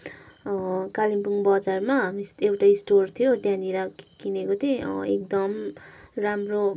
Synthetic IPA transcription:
kalimpuŋbʌd͡zarmaɦmisewʈaisʈort̪ʰijot̪jãnd̪iɾakinekot̪ʰeḛk̚d̪ʌm | ramro

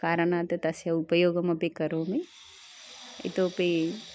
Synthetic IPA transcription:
kaːɾɐɳaːt̪ɐt̪ɐsjɐupɐjoːɡɐmɐpekɐɾoːme | ḭt̪oːpe

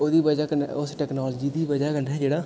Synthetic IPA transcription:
oːd̪iːbəd͡ʒaːkən̰ʊsʈɛːknoːlːd͡ʒiːd̪iːbəd͡ʒaːkənɛːd͡ʒeːɽaː

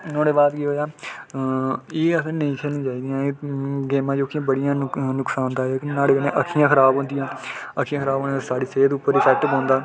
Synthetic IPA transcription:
nõːɽeːbaːd̪kiɦoːjaː | eːəsẽːnəĩːkʰeːlnĩːd͡ʒaːiːd̪ijãːeɡeːmãːd͡ʒoːkʰiãːbəɽijãːnʊksaːnt̪aːknaːlekənẽːʔəkʰːijãːkʰəɾaːbɦõːnd̪ijãːəkʰːiːjãːkʰəɾaːboːnesaːɽiːseːt̪ʊːpːəɾɪpʰɛːk̚ʈbɦõːnd̪aː

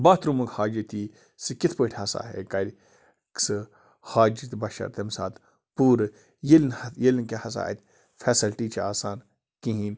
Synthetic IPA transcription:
baːt̪ɾumɐkhaːd͡ʒit̪iː | sɨkit̪ʰpəʈʰʲhɐsa̰ːɦḛkɐɾʲ | ksɨ | haːd͡ʒit̪bɐʃɐ̰ɾt̪emsaːt̪ | puːɾ | jilnjelnkehɐsa̰ːet̪ʲ | fʰeːsɐlʈiːt͡ʃʰiaːsaːn | kĩɦiːn

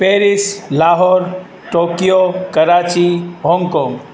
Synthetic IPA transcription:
peːɾislaːɦɔːɾ | ʈoːkijokəɾaːt͡ʃiɦɔŋɡkɔ̃ːŋɡ

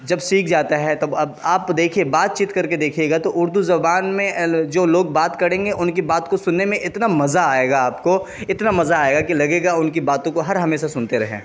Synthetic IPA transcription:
d͡ʒɐbsiːkʰd͡ʒaːt̪aɦɛt̪oɐbaːpd̪eːkʰiebaːt̪̚t͡ʃiːt̪kɐɾked̪eːkʰieːɡat̪oʔʊɾd̪uzɐbaːnmẽd͡ʒoːloːɡ̚baːt̪kɐɾẽːŋɡeʔʊnkibaːt̪kosʊnːemẽʔɪt̪namɐzaaːeːɡaːpko | ɪt̪namɐzaːeːɡakilɐɡeːɡaʊnkibaːt̪õkoɦɐɾɦɐmeːʃasʊnt̪eɾɐɦḛ̃ː

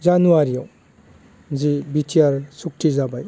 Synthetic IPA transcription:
zanuaɾiaw | zibitʰijaɾsuk̚ʈʰizabaj

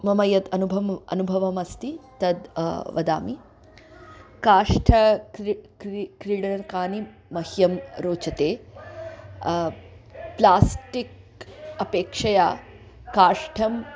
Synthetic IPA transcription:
mɐmɐjɐt̪ɐnubʱɐmɐ̰nubʱɐʋɐmɐst̪it̪ɐd̪ʋɐd̪a̰ːmi | kaːʂʈʰɐ | kɾiːɽɐnɐɾkaːni | mɐhjɐmɾoːt͡ʃɐt̪eː | plaːsʈik̚ | ɐpeːkʂɐjaː | kaːʂʈʰɐm

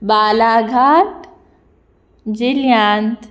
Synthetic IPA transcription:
baːlaːɡʱaːʈ | d͡ʒɪljaːnt̪

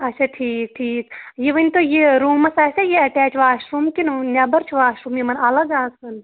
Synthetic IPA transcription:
ɐt͡ʃʰaʈʰiːk̚ʈʰiːkjeʋɐnʲt̪ojeɾuːmɐsɐsʲɐjeɐʈɛːt͡ʃʰʋaːʃɾumkinnʲɐbɐɾt͡ʃʰʋaːʃɾumjimɐnɐlɐɡaːsʋɐn

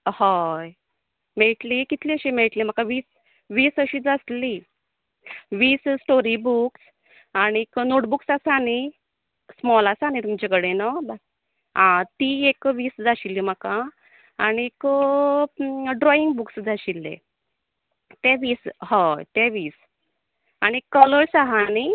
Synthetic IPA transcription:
haj | meɭʈlikit̪ʰliəɕimeɭʈlim̤akãʋiːs | ʋiːsəɕiːd͡zasli | ʋiːssʈoɾibuks | aɽ̃iknoʈbuksasañi | smɔlasañit̪umd͡ʑakəɽenɔba | ɦãt̪iekʋiːsd͡zaɕilːim̤əkã | añik | ɖɾɔiŋɡbuksd͡zaɕilːḛ | t̪ɛʋiːshãt̪eʋiːs | aɽ̃ikələɭsaɦani

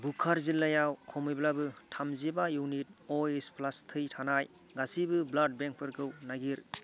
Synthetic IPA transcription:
bukʰaɾzilːajawkʰɔmɯjblabɯtʰamzibajuwnit̚ɔesplastʰɯjtʰanaj | ɡasibɯblad̚beŋk̚pʰɯɾɡʰɯwnaɡiɾ

